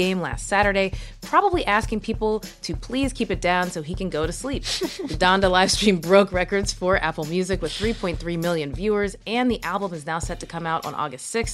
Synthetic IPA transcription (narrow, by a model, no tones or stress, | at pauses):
ẽɪ̃mlæ̰stsæɾə˞ɾeɪ | pʰɹ̥ɑbəbliʔæskɪ̃ŋpʰipl̩ˠtʰɨpʰl̥iz̥kʰipɨt̚d̥ãʊ̃nsoʊikɨ̃nɡoʊɾɨslip̚ðɨdɑ̃ndəlaɪv̥stɹ̥ĩmbɹoʊkɹɛkə˞dz̥fə˞ʔæ̰pl̩ˠmjʉzɨkwɨð̥θɹipʰɔ̃ɪ̃nθɹimɪlˠjɨ̃nvjʉə˞zɨ̃nðiʔælˠbə̃mɨznaʊsɛtʰɨkʰʌ̃maʊɾn̩ɔ̰ɡɨstsɪks